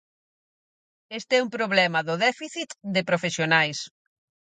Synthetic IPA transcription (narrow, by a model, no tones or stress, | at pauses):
est̪eɛumpɾoβlɛmɐðʊðɛfiθit̪d̪ɪpɾofesjonajs